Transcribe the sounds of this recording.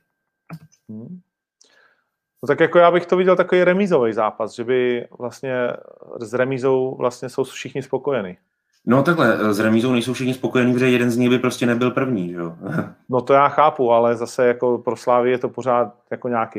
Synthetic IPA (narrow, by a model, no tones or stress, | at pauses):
not̪akjakojaːbɪxt̪ovɪɟɛlt̪akovijɾɛmiːzovɛjzaːpasʒɛbɪvlast̪ɲɛzɾɛmiːzo̞wvlʔast̪ɲɛso̞wfʃɪxɲɪspo̞ko̞jɛniː | not̪aklɛzɾɛmiːzownɛjsowfʃɪxɲɪspokojɛniːpd͡ʒɛjɛdɛnzɲɪɣbɪpɾoscɛnɛbɪlpr̩vɲiːʒɛono̞t̪o̞jaːxaːpualɛzasɛjako̞pɾoslaːvɪɛjɛt̪o̞po̞ɾaːt̪̚jakoɲaːki